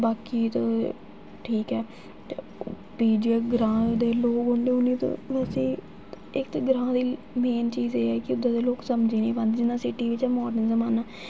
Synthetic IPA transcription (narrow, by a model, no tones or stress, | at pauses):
baːkiːt̪o | ʈʰiːkɛː | piːd͡ʒiɛːɡɾãːd̪eːloːɡoːɳɖeːʊniːt̪õ̰ʋɛːseː | ɪkt̪ːɡɾãːd̪iː | meːnt͡ʃiːzeːɛːkɪʊd̪ːãːd̪eːloːksəmd͡ʒeːnə̃ĩːpãːnd̪ed͡ʒɪnãːsɪʈiːʋɪt͡ʃɛːmɔːɖənzəmaːnaː